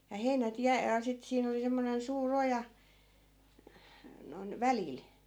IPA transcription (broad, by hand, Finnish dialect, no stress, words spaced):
jɑ heinæt jæ jɑ sit siːn oli semːonen suːr ojɑ noĭn ʋæliˑl